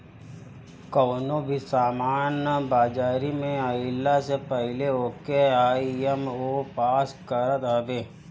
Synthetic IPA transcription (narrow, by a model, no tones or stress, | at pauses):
kɔːnobʱisaːmaːnbaːd͡ʒaːɾimẽaɪlːasepəɦɪleoːkeaːiemoːpaːskəɾət̪ɦɐbeː